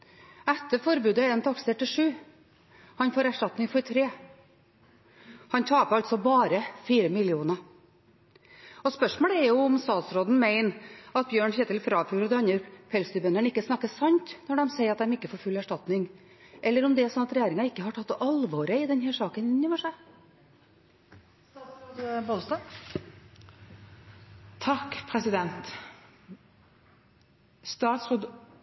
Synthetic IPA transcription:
æt̪ːəɾfɔɾbʉːd̪əɛnt̪ʰɑksəʈːɪʂʉː | hɑnfoːɾæʂʈɑt̪nɪŋfɔɾt̪ʰɾeː | hɑnt̪ʰɑːpʰɑlt̪sɔbɑːɾəfiːɾəmɪlɪuːnə | ɔspœʂmoːləɛɾjʊʊmst̪ɑːt̪sɾoːd̪n̩mæɪnɑt̪̚bjøːɳçɛːt̪ɪlfɾɑːfuːɾɔd̪ɛɑnːəɾfʰɛlst̪ʉːbœnəɳɪkːəsnɑkːəsɑnt̪nɔɖɛmseɪɾɑt̪d̪ɛmɪkːəfɔɾfʉlːæʂʈɑt̪nɪŋ | ʔɛlːəɾɔmd̪ɛsɔnɑt̪ɾɛjæːɾɪŋɑɪkːəhɑʈʰɑt̪ːɑlʋoːɾəɪd̪ɛnɦæːʂɑːkənnoːʋəʂæ | bod̪st̪ɑ | t̪ʰːɑkːpʰɾɛsɪd̪ɛnt̪ | st̪ɑːt̪sɾoːd̪

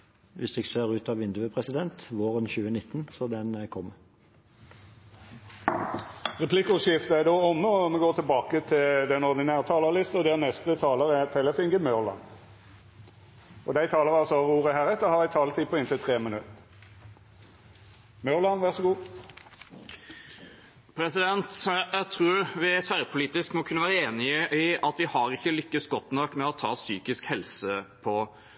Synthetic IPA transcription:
ʋɪsd̪ɛkseːʁʉːt̪ɑʋɪnd̪ʉəpʰʁɛsɪd̪ɛnt̪ʋoːʁənçʉːənɪt̪ːənsɔd̪ɛnkʰɔmː | ʁɛpʰlɪkʊʃɪft̪əæd̪oːɔmːəɔmɛɡoːʁt̪ʰɪlbɑːkət̪ʰɪld̪ɛnɔʁd̪ɪnæːʁt̪ʰɑːləʁlɪst̪əɔd̪ɛæʁnɛst̪ət̪ʰɑːləʁɛt̪ʰɛləfɪŋɡəmœʁlɑ̰n | ɔd̪æɪt̪ʰɑːləʁɑlsɔɑʁuːʁəɦæːʁɛt̪əhɑʁæɪt̪ʰɑːlət̪ʰiːpʰɔɪnt̪ʰɪlt̪ʰʁeːmənʉt̪ | mœlɑnʋæʁsɔɡuː | pʰɾɛsɪd̪ɛnt̪jæɪt̪ʰɾʉːɾʋɪæt̪ʰʋæɾpʰʊliːt̪ɪskmɔkʰʉnːəʋæːɾəeːnɪəʔɪɑt̪ʋɪhɑɾɪçːəlʏkːəsɡɔt̪nɔkːmɛɔt̪ʰɑ̰ːsyːkɪskhɛlsəpʰɔ

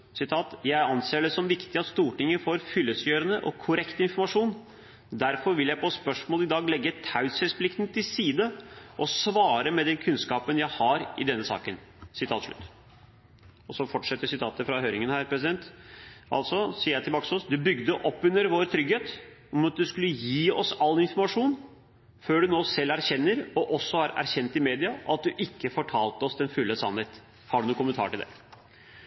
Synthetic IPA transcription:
sɪt̪ʰɑːt̪jæɪɑnseːɖɛsɔmʋɪkt̪ɪɑt̪st̪uːʈɪŋːəfoːɾfʏlːəsjøːɾənəʔɔ̰kʰːʊɾɛkt̪əɪnfɔɾmɑʂuːn | d̪æɾfɔɾʋɪljæɪpʰɔspœʂmoːlɪd̪ɑːɡlɛɡːət̪ʰɑʉshɛspʰlɪkt̪nt̪ʰɪlsiːd̪əʔɔsʋɑːɾəmɛd̪ɛnkʰʉnskɑːpənjæɪhɑɾɪd̪ɛnːəsɑ̰ːkənsɪt̪ʰɑːt̪ʂɭʉ̰t̪ː | ɔsɔfɔʈʂɛt̪ːəsɪt̪ʰɑːt̪əfɾɑhøːɾɪŋənhæːɾpʰɾɛsɪd̪ɛnt̪ʔɑ̰lt̪sɔsiːəjæɪt̪ɪlbɑːksoːsd̪ʉbʏɡd̪əʔɔpːʉnːəɾʋoːɾt̪ʰɾʏɡheːt̪ | ɔmɑt̪̚d̪ʉskʉlːəjiːɔsɑlːɪnfɔɾmɑʂuːn | føːɖʉnoːsɛlːæɾçɛnːəɾɔʔɔsːɔhɑɾæ̰ɾçɛnt̪ɪmeːd̪ɪɑʔɑt̪̚d̪ʉʔɪkːəfɔʈʰɑːlt̪əɔsd̪ɛnfʉlːəsɑ̰nheːt̪ | hɑɖʉnuːkʰʊmənt̪ɑ̰ːɾʈɪld̪ɛ̰

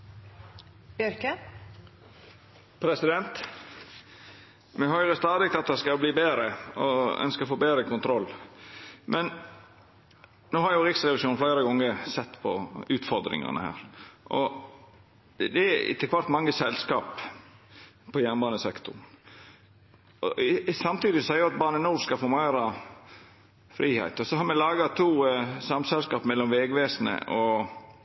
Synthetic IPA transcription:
bjœɾkə | pʰɾɛsɪd̪ɛnt̪ | mɛɦœʏɾəst̪ɑːd̪ɪk̚t̪ɑt̪̚d̪ɛskɑbliːbeːd̪ɾəɔœ̰nskəɾɔfoːbeːd̪ɾəkʊnt̪ʰɾɔlː | mʔɛn | noːhɑɾjʊɾɪksɾɛʋɪʃuːnfleːɾəɡɔŋːəsɛt̪ːpʰɔʉːt̪fɔɾd̪ɾɪ̰ŋɑ̰nə̰hæ̰ːɾʔɔ | d̪ɛɪ̰t̪ʰːəɛkʋɑɾt̪mɑŋːəsɛlskɑːp | pʰɔjænbɑːnəsɛkt̪ʊ̰n | ɔsɑmt̪iːd̪ɪsɔsæɪjʊɑt̪̚bɑːnənuːɾskɑfɔɾmæɾɑ | fɾiːhæ̰ɪt̪ɔsɔhɑɾmɛlɑːɡɑt̪ʰuːsɑmsɛlskɑːpmɛlːɔmʋeːɡʋeːsnə̰ʔɔ

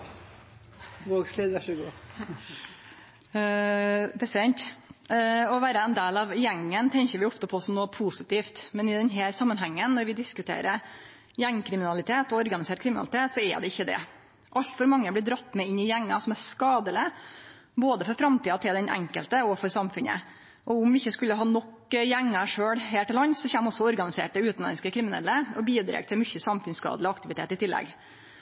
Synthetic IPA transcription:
ʋoːɡsleːd̪æʂəɡu | pɛsɛnt̪ | ɔʋæːɾəɛnd̪eːlɑʋjɛŋːənt̪ʰɛɲkəɾʋɪʊpt̪əpʰɔsɔmnoːpʰusɪt̪iːft̪mɛnɪd̪ɛnɦæːɾsɑmːənɦɛŋːənnːɔɾʋɪd̪ɪskʉt̪ʰḛːɾəɾ | jɛŋːkʰɾɪmɪnɑlɪt̪ʰeːt̪ɔɔɾɡɑnɪseːʈ̚kʰɾɪmɪnɑ̰ɪt̪ʰeːt̪sɔɛ̰ɖ̪ɛɪçːəd̪ɛ̰ | ʔɑʎt̪fɔɾmɑŋːəblɪd̪ɾɑt̪ːmɛɪɲːɪjæŋːɑsɔmæskɑːd̪əlɪ | boːd̪əfɔɾfɾɑmt̪ʰiːɑt̪ʰɪld̪ɛnʔɛ̰ŋkə̰lt̪əɔfɔɾsɑmfʉnə̰ | ʔɔʊmʋɪɪçːəskʉlːəɦɑːnɔk | jæŋːɑʂøːɽɦeːʈɪlɑnːsɔçæːmɔsːɔɔɾɡɑnɪsḛːʈəʉːt̪nɛ̰nskəkʰɾɪmɪnɛ̰lːəɔbiːd̪ɾḛːɡ̚t̪ʰɪlmʏçːəsɑmfʉnskɑ̰ːd̪əlɪɔɑkt̪ɪʋɪt̪ʰḛːt̪ɪt̪ʰɪlːɛ̰ɡ

